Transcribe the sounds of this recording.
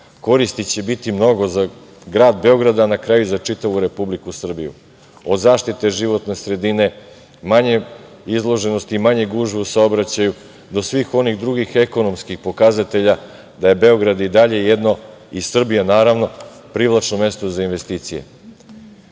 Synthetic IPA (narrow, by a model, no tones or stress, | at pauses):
ko̞ɾist̪it͡ɕe̞bit̪imno̞ɡo̞za | ɡɾaːd̪be̞o̞ɡɾad̪anakɾajuzat͡ʂit̪aʋuɾe̞publikusr̩bijṵ | od̪zaːʃt̪it̪e̞ʒiʋo̞t̪ne̞sɾe̞d̪ine̞ | maɲe̞ | izlˠo̞ʒe̞nost̪iimaɲe̞ɡuːʒʋusaobɾat͡ɕaju | d̪o̞sʋiːxo̞niɣd̪ɾuɡixeko̞no̞mskixpo̞kazat̪e̞ʎa | d̪aje̞be̞o̞ɡɾad̪id̪aʎe̞jed̪no̞ | issr̩bijanaːɾaʋno̞ | pɾiʋlˠat͡ʃno̞me̞st̪ozainʋe̞st̪iːt̪sije̞̰